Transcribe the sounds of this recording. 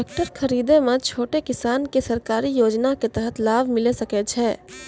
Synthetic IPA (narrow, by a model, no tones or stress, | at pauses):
k̚ʈəɾxʰɐɾiːd̪emẽt͡ʃʰoːʈekɪsaːnkesɐɾkaːɾijoːd͡ʒnaket̪əɦət̪laːʋmɪlesɐket͡ʃʰɛː